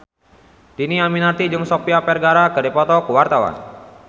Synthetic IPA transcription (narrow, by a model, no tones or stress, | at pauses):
diniaminat̪id͡ʒɨŋsɔpiapɛrɡaɾakɨdipɔt̪ɔkuwart̪awa̰n